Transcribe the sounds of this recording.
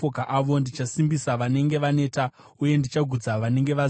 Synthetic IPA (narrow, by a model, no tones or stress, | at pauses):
okaʔaʋo̞ndit͡ʃasimbisaʋane̞ŋɡe̞ʋane̞ːta | uje̞ndit͡ʃaɡʱud͡zaʋane̞ŋɡe̞ʋa